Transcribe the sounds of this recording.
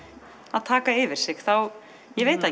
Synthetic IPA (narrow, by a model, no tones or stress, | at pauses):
aðt̪ʰaːkaɪvɪɾ̥sɪxθaw | jɛveːjt̪a